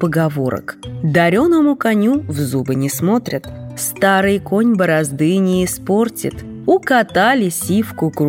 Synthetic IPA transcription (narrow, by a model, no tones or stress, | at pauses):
pəɡɐvo̞̰ɾə̰kd̪ɐɾʲonəmʊkɐnʲuvzubɨnʲɪsmo̞t̪ɾʲət̪st̪aɾɨjko̞nʲbəɾɐzd̪ɨnʲɪːspo̞rtʲɪ̰t̪ | ʊkɐt̪alʲɪsʲifkʊk